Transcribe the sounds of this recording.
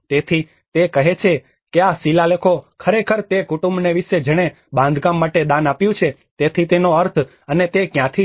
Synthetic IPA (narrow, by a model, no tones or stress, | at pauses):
t̪et̪ʰi | t̪ekəɦet͡ʃʰe | keasilalekʰokʰəɾekʰəɾt̪ekuʈũmbneʋiʃed͡ʒəɽ̃e | bãnd̪ɡãmːaʈed̪ãnapjũt͡ʃʰe | t̪et̪ʰit̪enoəɾt̪ʰ | ənet̪ekjãt̪ʰi